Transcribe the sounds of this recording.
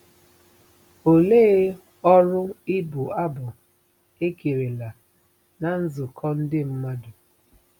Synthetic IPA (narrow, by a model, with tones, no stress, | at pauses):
o˨le˦ | ɔ˦ɾʊ˦ɪ˦bʊ˨a˦bʊ˨ | e˦ke˨ɾe˨la˨ | na˨n̩˦zʊ˨kʰɔ˦n̩˦dɪ˦m̩˦ma˦dʊ˨